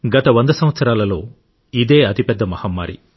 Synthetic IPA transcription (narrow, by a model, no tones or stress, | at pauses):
ɡɐt̪ɐʋɐnd̪ɐsɐmʋɐt̪sɐɾaːlɐlo̞ː | id̪e̞ːɐt̪ipɛd̪ːɐmɐhɐmːa̰ːɾḭ